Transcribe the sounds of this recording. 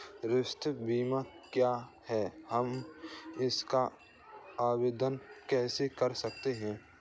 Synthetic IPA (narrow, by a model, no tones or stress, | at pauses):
ɾɪʃt̪ʰbiːmakjaːhɛːhəm | ɪska | aːweːd̪ənkɛːsekɐɾsɐk̚t̪eɦɛ̃ː